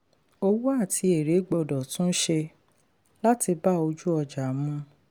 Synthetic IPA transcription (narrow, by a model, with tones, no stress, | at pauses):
o˧wu˦a˦˨tʰi˧e˨ɾe˨˦ɡ͡bɔ˧˨dɔ˨tũ˦ʃe˧ | la˦ti˧ba˦o˧d͡ʒu˦ɔ˧d͡ʒa˨mũ˧˦